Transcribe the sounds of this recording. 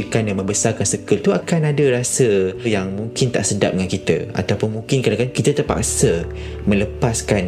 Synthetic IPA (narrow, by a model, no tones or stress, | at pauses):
lkanjaŋmə̃mbəsarkansəkəlt̪uakanadəɾasəjaŋmũŋkɪnt̪a̰ʔsəda̰p̚dəŋankit̪ə̰a̰t̪apʊnmuŋkɪnkadakankit̪ət̪ərpa̰ksə | mə̃ləpaskan